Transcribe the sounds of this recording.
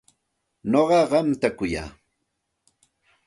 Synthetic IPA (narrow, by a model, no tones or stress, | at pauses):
noɢɑɢɑmt̪akʊja̰ː